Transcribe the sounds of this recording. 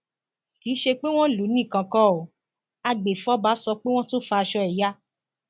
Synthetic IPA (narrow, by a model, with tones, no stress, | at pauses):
kiː˨˦ʃe˧k͡pe˦w̃ɔ̃˦˨lu˨˦nĩ˦˨kã˨˧kɔ̃˦˨o˨ | a˧ɡ͡be˨fɔ˨˦ba˨˦sɔ˧k͡pe˦w̃ɔ̃˦to˦fa˧ʃɔ˧ɛ˨ja˦